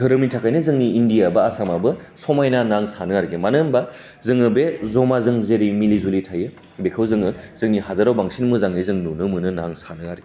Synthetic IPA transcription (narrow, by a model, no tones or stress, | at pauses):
dʰɯɾɯmitʰakʰajnɯzɯŋniːndijabaasamabɯsɔmajnanaŋsanɯaɾiɡemanɯnba | zɯŋɯbezɔmazɯŋzeɾimilizulitʰajɯ | bekʰɯwzɯŋɯz̥ɯŋniɦazaɾawbaŋsinmuzaŋɯzɯŋnunɯmɯnɯnaŋsanɯaɾiɡe